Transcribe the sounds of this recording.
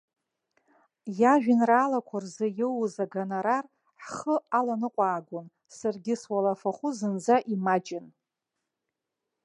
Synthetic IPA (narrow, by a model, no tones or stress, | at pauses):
jaʒᶣɪnraːlakʷʰarzɨjɪwzaɡanaɾar | ħχəalanɨqʷʼaːɡʷʊn | sarɡʲɪswalafaχʷuzɨnd͡zaʔimat͡ʃʼɪn